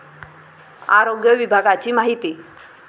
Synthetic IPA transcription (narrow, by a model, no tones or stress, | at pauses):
a̰ɾoɡjəʋibʱaɡat͡ɕiːmaɦit̪iː